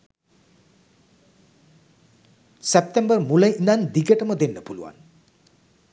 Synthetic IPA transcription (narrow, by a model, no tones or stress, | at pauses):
sep̚t̪embərmuləʔinand̪iɡəʈəməd̪enːəpulṵʋa̰n